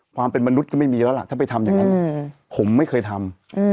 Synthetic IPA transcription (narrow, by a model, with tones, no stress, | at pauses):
kʰwaː˧mpe˧nma˧nu˦˥t̪̚kʰɔ˥˩m˥˩jmiː˧lɛː˦˥la˨ʔt̪ʰaː˥˩p̬a˧jt̪ʰa˧mjaː˨˩ŋːa˦n˧pʰo˩˦mːa˥˩jkʰɤː˧jt̪ʰa˧m˧